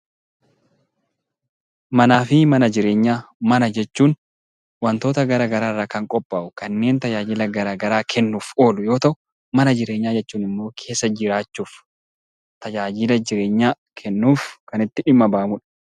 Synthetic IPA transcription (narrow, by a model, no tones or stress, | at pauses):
mɐnaːfɪmɐnɐd͡ʒɪɾe̞ːɲːaːmɐnɐd͡ʒɛt͡ʃːuːn | wɐnt̪o̞ːt̪ɐɡɐɾaːɡɐɾaːrːaːkɐŋkʼɔpʼːaːʔʊkɐnːe̞ːnt̪ɐd͡ʒaːd͡ʒɪlɐɡɐɾaːɡɐɾaːkʰɛnːuːfo̞ːlʊjo̞ːt̪ɐʔʊ | mɐnɐd͡ʒɪɾe̞ːɲːaːd͡ʒɛt͡ʃːuːnɪmːo̞ːkʰe̞ːsːɐd͡ʒɪɾaːt͡ʃːuːf | t̪ɐd͡ʒaːd͡ʒɪlɐd͡ʒɪɾe̞ːɲːaː | kʰɛnːuːfkɐnɪt̪ːɪᶑɪmːɐbaːmʊᶑɐ̥